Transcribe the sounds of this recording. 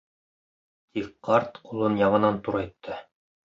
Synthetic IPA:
t̪ikqɑɾt̪qulˠɤnjɑʁɤ̆nɑnt̪uɾɑjt̪ʰːɤ

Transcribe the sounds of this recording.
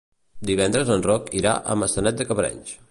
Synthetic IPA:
d̪iβɛnd̪ɾəzənrɔkiɾa̰ʔə̰məsənɛt̪̚d̪əkəβɾɛ̰ɲs

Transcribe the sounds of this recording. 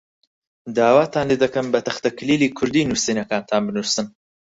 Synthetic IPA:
d̪aːwaːt̪ʰaːnled̪ɐkɐmbɐt̪ʰɐxt̪ɐkʰɨliːliːkʰʊɾd̪iːnusinɐkaːnt̪ʰaːnbɨnusɨn

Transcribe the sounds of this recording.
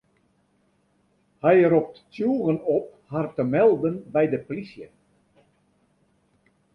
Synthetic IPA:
hɛjəɾɔp̚ttjuːɣənɔp̚hartəmɛlˠdənbɛjdəpolisjə

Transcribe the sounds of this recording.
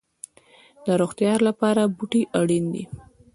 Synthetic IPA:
d̪əɾoxt̪jɑɾlapɑɾabuʈiʔaɽind̪ḭ

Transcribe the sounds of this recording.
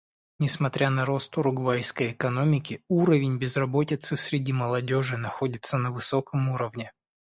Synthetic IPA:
nʲɪsmɐt̪ɾʲʔanɐɾo̞st̪ʊɾʊɡvajskəjɪkɐno̞mʲɪkʲɪuɾəvʲɪnʲbʲɪzrɐbo̞tʲɪt̪sɨsɾʲɪdʲiməlˠɐdʲo̞ʐɨnɐxodʲɪt̪sənəvɨsokəmuɾəvnʲɪ

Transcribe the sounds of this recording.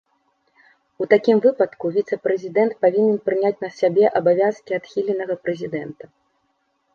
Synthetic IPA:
ut̪akʲimvɨpɐt̪kuvʲit̪sɛpɾɛzʲid̪ɛnt̪̚pavʲinʲɛnpɾɨnʲat͡sʲnɐsʲabʲɛʔɐbavʲaskʲiat̪xʲilʲɛnɐɣɐpɾɛzʲid̪ɛnt̪ɐ

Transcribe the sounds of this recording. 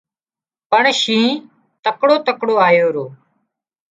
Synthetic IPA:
pəɳʃĩː | t̪əkɽoːt̪əkɽoːaːjoːɾoː

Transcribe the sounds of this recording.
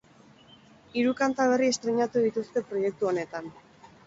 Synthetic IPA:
iɾukant̪aβ̞e̞rie̞st̪ɾeɲat̪uðit̪ust̪e̞pɾo̞je̞k̚t̪uo̞ne̞t̪an

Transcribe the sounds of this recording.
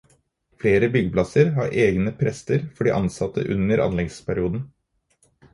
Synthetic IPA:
fleːɾəbʏɡəplɑsəɾhɑ̰ːɾʔeːɡnəpʰɾɛst̪əɾfɔɖiːʔɑnsɑt̪ʰːə̰ʔʉnəɾɑ̰nlɛɡspʰæɾɪuːd̪n̩

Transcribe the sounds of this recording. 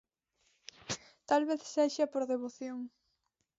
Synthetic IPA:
t̪alβeθseʃapoɾðeβoθjoŋ

